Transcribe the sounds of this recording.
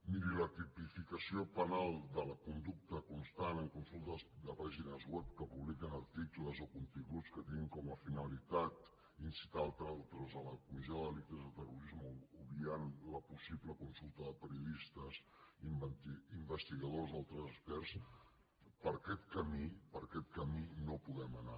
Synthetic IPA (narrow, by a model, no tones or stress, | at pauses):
miɾilət̪ipifikəsiopənalˠd̪ələkund̪uk̚t̪əkunst̪anəŋkunsulˠt̪əzd̪əpaʒinəzwɛp̚kəpuβlikənəɾt̪ikləzokunt̪iŋɡut͡skət̪iniŋkɔməfinəlit̪at̪ | insi̥t̪alˠt̪ɾalˠt̪ɾəzələkumizioðəlik̚t̪əzðət̪əruɾizməuβianləpusipləkunsulˠt̪əðəpəɾiuðist̪əs | imbəst̪iɣəðozalˠt̪ɾəzəspɛɾs | pəɾkɛt̪kəmipəɾkɛt̪̚kəminopuɣɛməna